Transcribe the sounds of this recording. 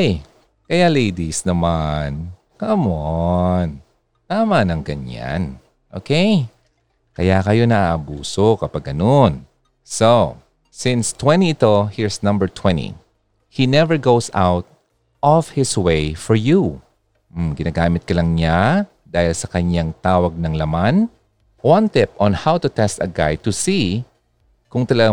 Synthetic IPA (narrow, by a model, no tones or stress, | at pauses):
j | kɐjalejd̪isnɐman | kɐmon | t̪aːmanɐŋɡɐɲa̰n | ʔoːkej | kɐjakɐjo̞nɐʔaːʔɐbuːso̞kɐpaɡʔɐnon | so | sɪ̃nst̪wɛ̃niɪt̪o̞hiɹsnɐ̃mbəɹt̪ʰwɛ̃nḭ | hinɛvəɹɡowsa̰wt̪̚ | ʔɔfhɪswejfɔɹju | m̩ɡɪnaːɡaːmɪt̪̚kɐlɐŋɲa | d̪aːhɪlsɐkɐɲaŋt̪aːwɐɡ̚nɐŋlɐman | wɐ̃nt̪ɪpʔɔ̃nhawt̪ʊt̪ɛst̪ɐɡa̰jt̪ʊsi | kʊŋt̪ɐlɐɡa